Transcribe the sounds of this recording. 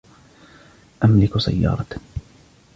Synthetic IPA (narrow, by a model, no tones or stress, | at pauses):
ʔamlɪksa̰jːɑ̰ːɾˤɑ